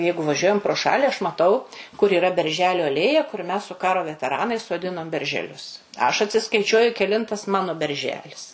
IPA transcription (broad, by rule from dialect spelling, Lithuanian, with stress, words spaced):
ˈjɛɪɡʊ ʋɐˈʒʲuɔjɛm proː ˈʃɑːlʲɪ ɐʃ mɐˈtɐʊ kʊr iːˈrɐ bʲɛrʲˈʒʲæːlʲʊ ɐˈlʲeːjɛ kʊr mʲɛs sʊ ˈkɑːroː ʋʲɛtʲɛˈrɑːnɐɪs soːˈdʲɪnoːm bʲɛrʲʒʲɛˈlʲʊs ɐʃ ɐtʲsʲɪskɐɪˈt͡ʃʲuɔjʊ kʲɛˈlʲɪntɐs ˈmɑːnoː bʲɛrʲˈʒʲæːlʲɪs